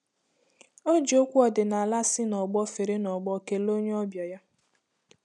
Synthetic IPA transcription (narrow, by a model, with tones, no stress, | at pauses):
o˦d͡ʒi˨o˦kʷu˦ɔ˨dɪ˨na˨la˦sɪ˦nɔ˨ɡ͡bɔ˦fe˨ɾe˦nɔ˨ɡ͡bɔ˦ke˦lo˦ɲe˦ɔ˦bjɔ˨ja˦